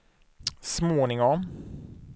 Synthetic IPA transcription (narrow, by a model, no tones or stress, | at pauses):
smoːnɪŋɔm